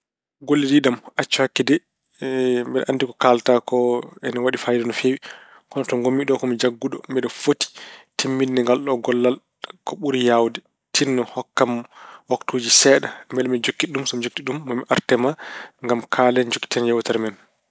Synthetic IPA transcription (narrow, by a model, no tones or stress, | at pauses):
ɡolːidiɗamat͡ʃːhakːidɛ | mbɛlʔanːdikɔkaltakɔɛnawaɗifajdɔnɔfewi | kɔnatɔŋɡomːiɗɔkɔmid͡ʒaɡːuɗɔ̰mɛɗɔfoti̥tʰimːidnɛŋɡalɗɔɡɔlːal | kɔɓuɾijawdɛ | tʰinːɔhɔkːamwaktoːd͡ʒisɛːɗambɛlmɛd͡ʒokːiɗumsɔmd͡ʒokːiɗumːɔmiʔaɾtɛmaŋɡamkʰalɛnd͡ʒokːi̥tɛnjɛwtaɾmɛn